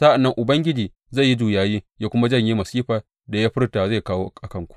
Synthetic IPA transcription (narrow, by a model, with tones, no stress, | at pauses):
sa˦ʔa˨nːɐ˦ŋʔʊ˨bɐ˦ŋɡʲɪ˦d͡ʒiː˨ | za˦˨jːi˦d͡ʒuː˨jaː˨jiː˦jaː˦kʷʊ˦ma˦d͡ʒɐ˦˨ɲji˦mɐ˨siː˦ɸaː˨ | da˨ja˦ɸɪ˦rtaː˨za˦˨jkaː˦woː˦ʔkʔa˨kɐ˦ŋkʷu̥˨ʔ